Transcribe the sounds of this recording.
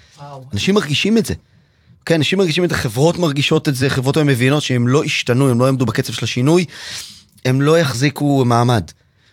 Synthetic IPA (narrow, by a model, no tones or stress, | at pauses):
anaʃimːaʁɡiʃimetze | okejanaʃimːaʁɡiʃimetzeχevʁo̞tmaʁɡiʃo̞tetzeχevʁo̞tvemevino̞tʃeemlo̞ʔiʃtanuemlo̞jamdubaket͡se̞v̥ʃelaʃinuj | e̞mlo̞jaχzikumaːmad